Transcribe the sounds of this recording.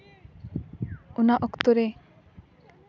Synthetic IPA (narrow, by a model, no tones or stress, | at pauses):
unaʔɔkt̪oɾe